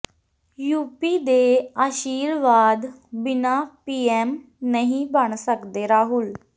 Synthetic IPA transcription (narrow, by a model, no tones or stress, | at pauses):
juːpiːd̪eːaːʃiːɾʋaːd̪bɪnaːpiːɛːm | nəɦĩbəɳsəkd̪eːɾaːɦʊl